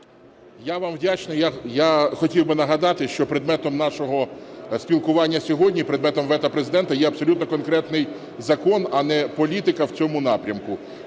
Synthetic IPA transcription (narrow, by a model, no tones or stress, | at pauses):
jaʋɑmwdʲat͡ʃnɪjajaxɔtʲiwbɪnɐɦɐd̪ɑt̪ɪʃt͡ʃɔpɾɪd̪mɛt̪ɔmnɑʃɔɦɔsʲpʲilˠkʊʋɑnʲːɐsʲɔɦɔdʲnʲipɾed̪mɛt̪ɔmʋɛt̪ɐpɾezɪd̪ɛnt̪ɐjɛɐbsɔlʲut̪̚nɔkɔnkɾɛt̪nɪj | zɐkɔnɐnɛpɔlʲit̪ɪkɐwt͡sʲɔmʊnɑpɾʲɐmkʊ